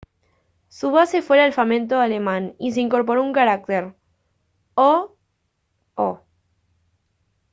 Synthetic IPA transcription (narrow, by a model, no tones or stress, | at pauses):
suβase̞fweɾalfamẽnt̪̬oale̞mãnis̬e̞iŋko̞ɾp̬o̞ɾouŋkaɾak̚t̪eɾ | o | o